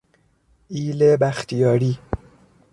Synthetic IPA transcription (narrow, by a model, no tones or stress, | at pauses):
iːlebæxt̪ʰijɒːɾiː